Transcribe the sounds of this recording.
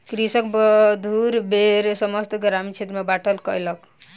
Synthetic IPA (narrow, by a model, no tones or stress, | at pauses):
kɾisək̚bəd̪ʱuɾbeɾsəməst̪ɡɾamit͡ʃʰet̪ɾəmebaʈʰəlkəjlək